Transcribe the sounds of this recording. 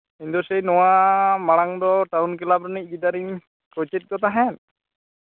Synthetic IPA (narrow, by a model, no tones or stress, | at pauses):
ind̪ɔsɛjnɔwamaɽ̃aŋd̪ɔʈawnkɛlabɾɔnic̚ˀbid̪aɾiɲ | kɾɔt͡ʃet̪̚ɡɔt̪aɦɛn